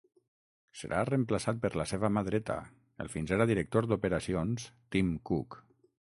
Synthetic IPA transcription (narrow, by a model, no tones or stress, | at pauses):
sə̰ɾʔa̰rəmplasat̪̚pəɾlaseβamaðɾɛt̪a̰ | ə̰lˠfinzeɾaðiɾək̚t̪oɾd̪upəɾasionst̪imkuk